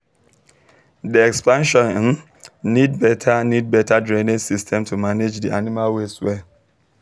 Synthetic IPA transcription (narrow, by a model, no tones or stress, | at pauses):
diɛkspãnʃɔ̃nn | nidbɛtʰanid̚bɛtʰadɹẽnẽsistʰɛ̃mtʰumaned͡ʒdiʔanimalweswɛ